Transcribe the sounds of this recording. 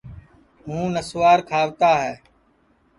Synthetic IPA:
ɦũːnəsʋaːɾkʰaːʋt̪aːɦɛː

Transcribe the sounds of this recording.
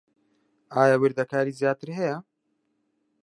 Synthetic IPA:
aːjawɪɾd̪ɐkʰaːɾiːzjaːt̪ɨɾɦɛja

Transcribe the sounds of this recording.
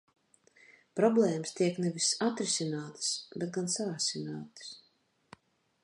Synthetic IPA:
pɾɔblˠɛːməst̪iɛknɛvisat̪ɾisʲinaːt̪ɨ̥sbɛt̪̚ɡansaːsʲinaːt̪ɨ̥s

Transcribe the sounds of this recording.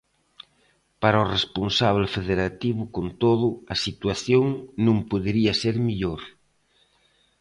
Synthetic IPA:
paɾɐoresponsaβ̞lefeðeɾat̪iβʊkont̪oðʊɐsit̪waθjoŋnõmpoðeɾiɐseɾmiʎoɾ

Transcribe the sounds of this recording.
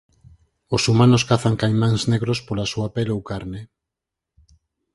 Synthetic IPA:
osumanoskaθaŋkajmaŋzneɣɾospolasuapelowkaɾne

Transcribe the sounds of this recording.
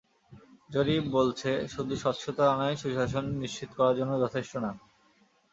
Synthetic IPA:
d͡ʑoɾibolt͡ɕʰeʃud̪ʱuʃɔt̪ʃʰot̪oanaeʃuʃaʃ̬onːiʃt͡ɕit̪okɔɾaɾd͡ʑonːod͡ʑɔt̪ʰeʃʈona

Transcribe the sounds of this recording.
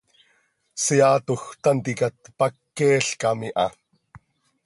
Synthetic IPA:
siaːt̪oxt̪ant̪ikat̪̚pakːɛːɬkamiʔɑ

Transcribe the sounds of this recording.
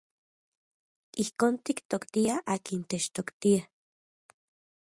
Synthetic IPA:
ihkoːnt̪ikt̪okt̪iaʔaːkint̪et͡ʃt̪okt̪ia

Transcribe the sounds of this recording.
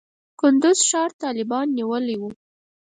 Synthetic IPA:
kʊnd̪ʊz̥ʃɑɾt̪ɑlɪbɑnːiwəliwu

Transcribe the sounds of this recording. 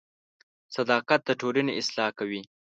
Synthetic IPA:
sad̪ɑqat̪̚d̪əʈoləneɪslɑkawi

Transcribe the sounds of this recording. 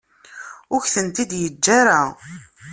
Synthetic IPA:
ʊçθənt̪id̪jəd͡ʒːaɾa

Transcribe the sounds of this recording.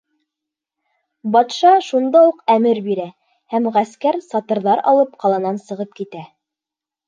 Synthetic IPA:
bɑt̪ʃɑʃund̪ɑwuqæmɘɾbiɾæ | hæmʁæskæɾsɑt̪ɤ̆ɾðɑɾɑ̰lˠɤpqɑlˠɑnɑnsɤ̆ʁɤp̚kit̪æ

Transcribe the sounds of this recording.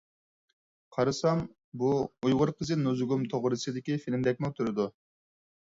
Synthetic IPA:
qʰɑɾɯsɑm | buujʁʊɾqʰɨzɪnuzuɡumt̪ʰoʁʊɾisid̪ikʲifilʲmd̪ɛk̚ʲnot̪ʰuɾud̪ʊ

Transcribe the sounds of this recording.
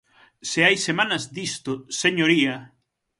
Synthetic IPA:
seajsemanɐzd̪ist̪ʊseɲoɾiɐ

